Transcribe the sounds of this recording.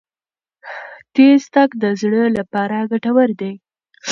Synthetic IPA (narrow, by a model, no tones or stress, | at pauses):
t̪est̪akd̪əzɽəlapɑɾaɡaʈawəɾd̪ej